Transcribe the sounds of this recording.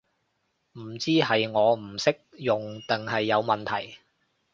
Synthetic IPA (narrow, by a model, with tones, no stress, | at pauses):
m̩˨˩t͡siː˥ɦɐ˨jŋɔː˨˧m̩˨˩sɪ˥k̚jʊ˨ŋt̪ɪ˨ŋɦɐ˨jːɐ˨˧wmɐ˨nt̪ʰɐ˨˩j